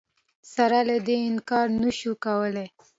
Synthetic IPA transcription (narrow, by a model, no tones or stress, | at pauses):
saɾalad̪eɪnkɑɾnəʃukawəle